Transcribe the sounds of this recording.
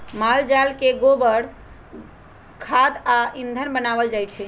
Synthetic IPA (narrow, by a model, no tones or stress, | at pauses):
mald͡ʒalkeɡobəɽ | kʰad̪aĩnd̪ʱənbənaʋəld͡ʒajt͡ʃʰɛ